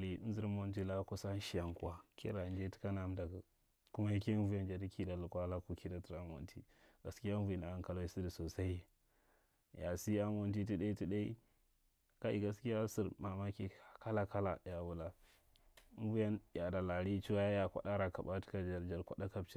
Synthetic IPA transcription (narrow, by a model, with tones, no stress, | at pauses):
li˨˦n˦zi˦ɾmo˨nti˦la˦ko˦sa˦ʃi˦ja˨ŋku˦a˦kḛ˦ɾa˨nd͡ʒe˦ti̥˦ka˦na˨˦mda˨ka˨ | ku˦ma˦ji˦ke˦n˦vu˦ja˦nd͡ʒa˨di˦kʰi˦da˨lu˨kʷa˦la˦ku˦ki˦da˨ti˨ɾa˦mo̰˨ntḭ˦ | ɡa˨ski˦a˦vu˨i˨na˨˦ŋka˨lo˦i˦si˦di˨so˨sa˦i˦ | ja˨si˦a˦mo˨nt̬i˦t̬i˦ɗa˦i˦ti˦ɗa˦i˦ | ka˦ʔḭ˦˨ɡa˨˦ski˦ja˦si˦ɾma˨ma˦ki˦˨ka˦la˦ka˦la̰˨dja˨wu˨la˦ | vu˦ja˦n˨a˨da˨la˨ɾi˦t͡ʃu˦wa˦ja˦ja˦˨kʷa̰˦ɗa˦ɾa˨ka̰˨ba˦ti̥˦ka˦d͡ʒa˨ɾd͡ʒa˨ɾkʷa̰˦ɗa˦ka˨pt͡ʃi˦